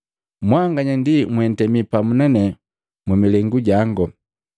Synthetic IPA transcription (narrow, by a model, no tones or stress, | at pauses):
mwaŋɡaɲandimwɛn̩tɛmipamunanɛ | mɛmilɛŋɡuɟaŋɡɔ